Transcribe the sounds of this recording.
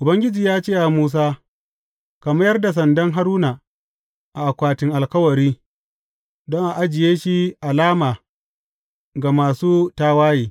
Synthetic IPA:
ʔʊ˨bɐ˦ŋɡʲɪ˦d͡ʒiː˨jaː˦t͡ʃeː˦˨ʔa˨muː˦s̬aː˦ | ka˨mɐ˦jɐ˦rda˨s̬ɐ˨ndɐ˦ŋɦa˦ɾuː˦na˨ | ʔa˨ʔa˨kʷaː˨tɪ˨ŋʔa˨lkɐ˦wɐ˨ɾiː˦ | dɔ˦ŋʔa˨ʔa˦d͡ʒɪ˨jeː˦ʃi˦ʔa˨laː˦maː˨ | ɡa˨maː˨suː˦taː˦waː˦jiː˨

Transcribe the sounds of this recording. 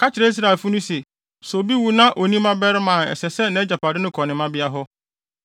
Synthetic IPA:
kʰa˦t͡ɕɪ˨ɾe˨˦i˦s̬ɾa˨e˨fu˦nʊ̃˦se˨ | so˨o˨bi˦wu˨nã˦ʔo˨nĩ˦mã˦bɛ˦ɾɪ˦mã˨nɛ̰˨sɛ˨sɛ˦nã˨˦d͡ʑa˨pʰa˨dɪ˦nʊ̃˦kʰɔ˨nɪ̃˨mã˦bɪ˦a˦ɦɔ˦

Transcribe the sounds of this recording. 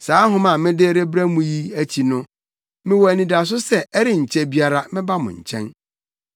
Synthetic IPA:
saː˨˦ɦʊ̃˦mã˨mɪ̃˦dɪ˦ɾe˦bɾæ˦mũ˦ji˦æ˦t͡ɕʰi˨nʊ̃˦ | mɪ̃˦wɔ˨æ˨nĩ˨da˨s̬ʊ˦sɛ˦ɛ˦ɾɪ˦ɲ̩˨t͡ɕʰɛ˦bi˦a˦ɾa˦mɪ̃˦ba˦mʊ̰̃˨ɲ̩̰˨t͡ɕʰɛ̃˦n

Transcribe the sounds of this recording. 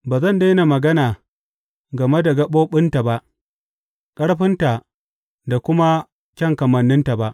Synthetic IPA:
baː˨zɐ˦˨nda˦na˨mɐ˨ɡɐ˦naː˨ | ɡɐ˨me˦da˨ɡɐ˦ɓoː˦ɓɪ˦nta˨ba˦ʔ | kʼɐ˦ɽɸɪ˦nta˨ | da˨kʷʊ˦ma˦ | kʲɐ˦ŋkɐ˨mɐ˨nːɪ˦nta˨ba˦ʔ

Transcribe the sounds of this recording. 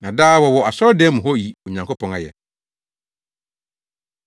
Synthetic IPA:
nã˨daː˦wɔ˨wɔ˨a˨sɔ˦ɾɔ˦dɛ˦mũ˨ɦɔ˦ji˨o˨ɲã˨ŋkʰo˦pʰɔ̃˨ŋa˨jɛ̰˨

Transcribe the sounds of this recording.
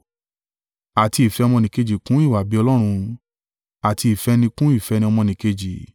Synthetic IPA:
a˨ti˧i˨fɛ˧ɔ˧mɔ̃˧nĩ˨˧ke˧d͡ʒi˨kũ˨˦i˦˨wa˨bi˨˦ɔ˧lɔ˦ɾ̃ũ˧ | a˨ti˧i˨fɛ˧˦nĩ˧kũ˦i˦˨fɛ˨˧˦nĩ˧ɔ˧mɔ̃˧nĩ˨ke˧d͡ʒi˨

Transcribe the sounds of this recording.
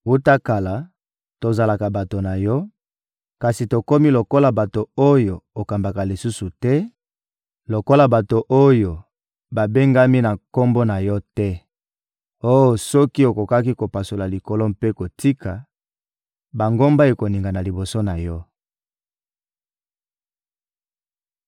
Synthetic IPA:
u˦ta˦ka˨la˨ | to˨za˨la˨ka˨ba˨to˨na˨jɔ˦ | ka˨si˨to˨ko˦mi˦lo˨ko˦la˨ba˨to˨o˦jo˨o˨ka˨mba˨ka˨li˨su˦su˨tɛ˦ | lo˨ko˦la˨ba˨to˨ʔo˦jo˨ | ba˨be˦ŋɡa˦mi˦na˨ko˦mbo˦na˨jɔ˦tɛ˦ | o˦jo˨sɔ˦ki˦o˨ko˨ka˦ki˦ko˨pa˨so˨la˨li˨ko˨lo˦mpe˦ko˨ti˦ka˨ | ba˨ŋɡo˦mba˦e˨ko˨ni˨ŋɡa˨na˨li˨bo˨so˦na˨jɔ˦

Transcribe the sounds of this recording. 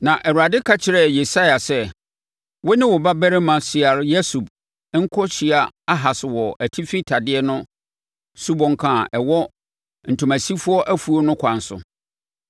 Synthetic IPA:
nã˨ʔɛ˨u˨a˨dɪ˦kʰa˦t͡ɕʰɪ˨ɾɛ˨je˨sa˦ja˨sɛ˦ | wʊ˦nɪ̃˦wʊ˨ba˦bɛ˦ɾɪ˦mã˨sɪ˨a˨ɾjɛ˦su˨b | ŋ̩˦kʰɔ˦ɕi˨a˨a˦ɦa˨sɪ˨wɔ˨ʔæ˨tʰi˦fi˦tʰa˨dɪ˦ɛ˦nʊ̃˦ | su˦bɔ̃˨ŋkʰã˨ʔɛ˨wɔ˦ | n̩˨tʰũ˨mæ̃˨si˦fʊ˦ɔ˦ʔæ˦fu˨o˦nʊ̃˦kʷʰã˨n˨sʊ̰˨

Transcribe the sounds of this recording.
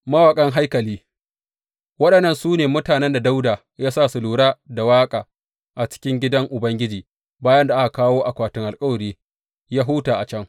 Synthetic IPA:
mɐ˦waː˨kʼɐ˦ŋɦa˦jkɐ˨liː˦ | wɐ˦ɗɐ˨nːɐ˦nsuː˦neː˨mʊ˦taː˨nɛ˦nda˨da˦wdaː˨ | jaː˦saː˦˨sʊ˨luː˨ɽaː˦da˨waː˦kʼaː˨ | ʔa˨t͡ʃɪ̥˦kʲɪ˦ŋɡʲɪ˦dɐ˦ŋʔʊ˨bɐ˦ŋɡʲɪ˦d͡ʒiː˨ | baː˦jɐ˦nda˨ʔa˦ka˨kaː˦woː˦ʔa˨kʷaː˨tɪ˦ŋʔa˨lkʼɐ˦wɐ˨ɾiː˦ | jaː˦ɦʊː˦taː˨ʔa˨t͡ʃɐ˦ŋ

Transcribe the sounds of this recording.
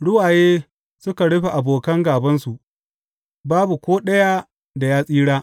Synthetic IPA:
ɽʊ˦waː˨jeː˦ | sʊ˦ka˨ɽʊ˦ɸe˨ʔa˨boː˨kɐ˦ŋɡaː˨bɐ˦nsu˨ʔ | baː˦bu˨kʷoː˦ɗɐ˦ja˦ | da˨jaː˦sʼiː˦ɽaː˦

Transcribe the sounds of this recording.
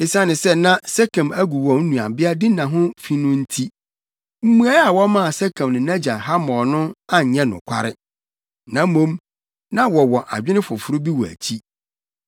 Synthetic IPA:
ɪ˨sã˦nɪ̃˨sɛ˦nã˦sɛ˦kʰã˨mæ˦ɡu˨wɔ̃˨n̩˦nũ˨a˨bɪ˦a˦dɪ˦nã˨ɦʊ̃˦fi˦nʊ̃˦n̩˦tʰi˦ | m̩˦mũ˦a˦a˨wɔ˦mã˦˨sɛ˦kʰã˨m˨nɪ̃˨nã˦d͡ʑã˨nɦa˦mɔ̃˨nʊ̃˦a˦˨ɲɛ̃˦nʊ̰̃˨kʷʰa̰˦ɾɪ˦ | nã˨˦mõ˦m | nã˦wɔ˨wɔ˨ʔa̰˨d͡ʑᶣɪ˦nɪ̃˦fʊ˨fʊ˨˦ɾʊ˦bi˦wɔ˨æ̰˨t͡ɕʰi˦

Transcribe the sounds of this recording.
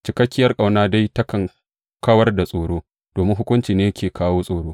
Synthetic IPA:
t͡ʃɪ˨kɐ˦kʲːɪ˦jɐ˦rkʼa˨wnaː˦da˦jtɐ˦kɐ˨ŋ | kɐ˦wɐ˦rda˨sʼoː˨ɽoː˦ | d̥oː˨mɪ˦ŋɦʊ˦kʷʊ˦nt͡ʃiː˨neː˦jɐ˦kʲeː˨kʰaː˦woː˦sʼoː˨ɽoː˦

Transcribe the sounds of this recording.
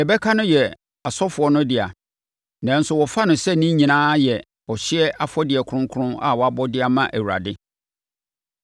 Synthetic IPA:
ɛ˨bɛ˦kʰa˦nʊ̃˦jɛ˨ | a˨sɔ˦fʊ˨ɔ˦nʊ̃˦dɪ˨a̰˨ | nã˨n̩˦sʊ˨wɔ˨fa˦nʊ̃˨sɛ˦nĩ˦ɲĩ˨nãː˦jɛ˨ | ɔ˨ɕɪ˦ɛ˦ʔa˨fɔ˦dɪ˨ɛ˨kʰʊ˨˦ʊ̃˦ŋ˦kʰʊ˦ɾʊ̃˦na̰˨wɔ˨a˨bɔ˦dɪ˦a˨mã˦ʔæ˨wu˨ɾa̰˨dɪ˦

